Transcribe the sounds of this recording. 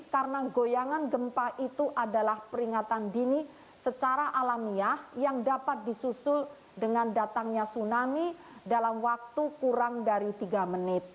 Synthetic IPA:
kaɾənaɡojaŋanɡəmpaʔit̪uʔadalahpəɾiŋat̪andini | sət͡ʃaɾaʔalamiahjaŋdapat̪̚disusʊl | dəŋandat̪aŋɲasunami | dalamwak̚t̪ukuɾaŋdaɾit̪iɡamənɪt̪̚

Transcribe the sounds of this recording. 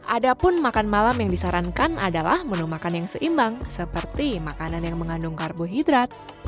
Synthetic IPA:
ʔadapʊnmakanmalamjaŋdisaɾankanadalahmənumakanjaŋsəʔimbaŋsəpərt̪imakananjaŋməŋandʊŋkarbuɦidɾat̪̚

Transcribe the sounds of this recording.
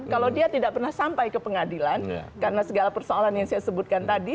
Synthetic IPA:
kalawdiat̪idaʔ̚pərnahsampajkəpəŋadilankaɾənasəɡalapərsoalanjaŋsajasəbut̪̚kant̪adi

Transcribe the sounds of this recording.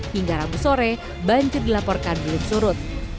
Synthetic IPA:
hiŋɡaɾabusoɾɛ | baɲd͡ʒʊrdilapɔrkanbəlʊmsuɾʊt̪̚

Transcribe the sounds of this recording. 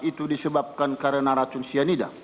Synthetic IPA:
it̪udisəbap̚kankaɾənaɾat͡ʃunsianida̰

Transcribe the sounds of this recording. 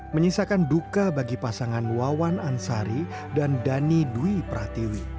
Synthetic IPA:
məɲisakandukabaɡipasaŋanwawanansaɾi | dandaniduipɾat̪iwi

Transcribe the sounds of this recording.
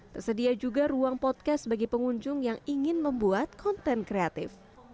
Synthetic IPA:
t̪ərsədiad͡ʒuɡaɾuaŋpɔt̪̚kasbaɡɛjpəŋuɲd͡ʒʊŋjaŋiŋɪnməmbuat̪̚kʰɔnt̪ɛnkɾeat̪ɪf

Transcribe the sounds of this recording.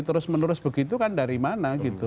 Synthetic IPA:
t̪əɾʊsmənuɾʊsb̥əɡit̪ukandaɾimanaɡit̪u

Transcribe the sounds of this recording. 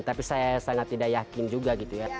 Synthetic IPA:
t̪apisajasaŋat̪ːidaʔjakɪnd͡ʒuɡaɡit̪uja

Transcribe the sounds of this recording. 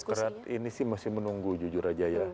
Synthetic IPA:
kəɾat̪inisɪhmasɪhmənuŋɡud͡ʒud͡ʒuɾad͡ʒaja

